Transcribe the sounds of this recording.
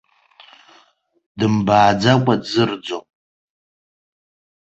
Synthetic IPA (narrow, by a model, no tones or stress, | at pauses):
dɨmbaːd͡zakʷʼadzɨrd͡zom